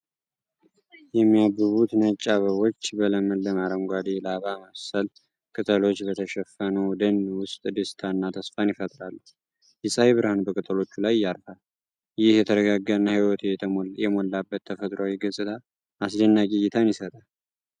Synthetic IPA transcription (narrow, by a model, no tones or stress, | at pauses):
jɛmːijabːɨβut̪nət͡ʃʼːaβəβo̞t͡ʃːbələməlːəmaɾəmɡʷad̪elaβaməsəl | kʼɨt̪ʰʼəlo̞t͡ʃːbət̪ʰəʃɛfənəwd̪ənːwʊst̪ʼd̪ɨst̪ʰanːat̪ʰəsfanjɪfət̪ʼɾalː | jɪsʼaheβɨɾəhanbəkʼɨt̪ʰʼəlo̞t͡ʃːulajːaɾfal | jɪhjɛt̪ʰəɾəɡaɡːənːəhiwɔt̪jɛt̪jɛmolːabːət̪ʰːəfət̪ʼɾawiɡɨsʼɨt̪ʰa | masd̪ənːakʼijɪt̪ʰanjɪsət̪ʼal